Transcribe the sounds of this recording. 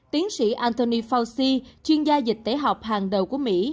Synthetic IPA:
t̪i˨˦əŋsḭ˧˥ʔaː˧nt̪o˧ni˧fa˧wsi˧t͡ɕwi˧ənzaː˧zi˨˩k̟̚t̪e˨˦ɦa˨˩wk͡p̚haː˨˩ŋɗə˨˩wku˧˩əmḭ˧˥

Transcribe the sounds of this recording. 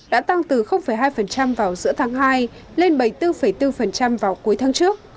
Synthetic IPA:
ɗa̰ː˧˥t̪a˧ŋt̪ɨ˨˩xə˧wŋ͡mfə˧˩jɦaː˧jfə˨˩nt͡ɕa˧mvaː˨˩wzɨ̰˧˥ət̪ʰaː˨˦ŋɦaː˧j | le˧nɓə˧˩jt̪ɨ˧fə˨˩jt̪ɨ˧fə˨˩nt͡ɕa˧mvaː˨˩wku˨˦jt̪ʰːŋt͡ɕɨ˦˥ək̚

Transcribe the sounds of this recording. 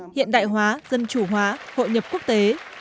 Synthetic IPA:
hḭ˧˨ənɗa̰ː˧˨jɦwaː˨˦zə˧nt͡ɕu˧˩ɦwaː˨˦ho̰˧˨jɲə˨˩p̚ku˦˥ək̚t̪e˨˦

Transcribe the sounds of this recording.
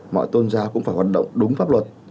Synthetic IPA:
mɔ̰˧˨jt̪o˧nzaː˧˦kʊ̰˧˥ŋ͡mfaː˧˩jɦwaː˨˩ɗə̰˧˨wŋ͡mɗʊ˨˦ŋ͡mfaː˦˥p̚lwə˨˩t̚

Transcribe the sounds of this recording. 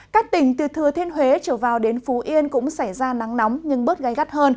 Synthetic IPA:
kaː˦˥k̚t̪ï˧˩ŋ̟t̪ɨ˨˩t̪ʰɨ˨˩ət̪ʰe˧nɦwe˨˦t͡ɕəː˧˩vaː˨˩wɗe˨˦nfu˨˦ʔi˧ənkʊ̰˧˥ŋ͡msa˧˩jzaː˧na˨˦ŋnɔ˨˦wmɲɨ˧ŋɓɨ˦˥t̚ɣa˨˦jɣa˦˥t̚həː˧n

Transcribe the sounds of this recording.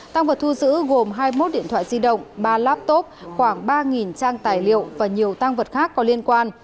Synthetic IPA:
t̪a˧ŋvə˨˩t̚t̪ʰu˧zɨ̰˧˥ɣo˨˩mɦaː˧jmo˦˥t̚ɗḭ˧˨ənt̪ʰwa̰ː˧˨zi˧ɗə̰˧˨wŋ͡mɓaː˧laː˦˥p̚t̪o˦˥p̚xwaː˧˩ŋɓaː˧ŋi˨˩nt͡ɕaː˧ŋt̪aː˨˩jlḭ˧˨əwvaː˨˩ɲi˨˩əwt̪a˧ŋvə˨˩t̚xaː˦˥kːɔ˨˦li˧ənkwaː˧n

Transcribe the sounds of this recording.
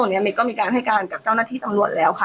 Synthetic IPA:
ni˦˥ɐmiː˧kɔː˥˩miː˧kaː˧nɦa˥˩jkaː˧nka˨˩p̚t͡ɕa˥˩naː˥˩t̪ʰiː˥˩t̪a˧mnu˨˩ət̪̚lɛː˦˥wkʰa˧˩

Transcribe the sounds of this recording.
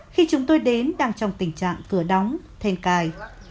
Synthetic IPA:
xi˧t͡ɕʊ˨˦ŋ͡mt̪o˧jɗe˨˦nɗaː˧ŋt͡ɕɔ˧wŋ͡mt̪ï˧˩ŋ̟t͡ɕa̰ː˧˨ŋkɨ˧˩əɗɔ˨˦wŋ͡mt̪ʰe˧nkaː˧˩j

